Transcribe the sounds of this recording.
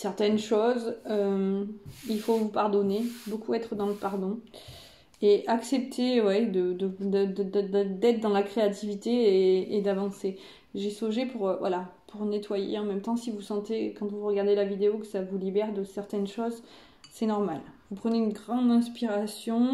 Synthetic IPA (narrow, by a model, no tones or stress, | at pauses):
sɛʁt̪ɛnʃozømilfovupaʁd̪ɔnebokuɛt̪χəd̪ɑ̃ləpaʁd̪ɔ̃ | eʔaksɛpt̪ʰewɛd̪əd̪əd̪əd̪d̪d̪ɛt̪χd̪ɑ̃lakχeat̪ivit̪eːd̪avɑ̃se | ʒesoʒepuʁvwa̰lapʰuʁnet̪wajḛɑ̃mɛmt̪ɑ̃sivusɑ̃t̪ekɑ̃t̪vuʁəɡaʁd̪elavid̪eokəsavulibɛʁd̪əsɛʁt̪ɛnʃoz | sɛnɔʁma̰lvupχəneynɡʁɑ̃d̪ɛ̃spiʁasjɔ̃